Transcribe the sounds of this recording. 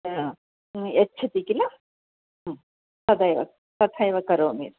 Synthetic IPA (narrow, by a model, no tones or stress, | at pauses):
ɐtːɕʰɐt̪ikilɐ | t̪ɐd̪ɐjʋɐ̰ | t̪ɐt̪ʰajʋɐkɐɾoːmḭːɾ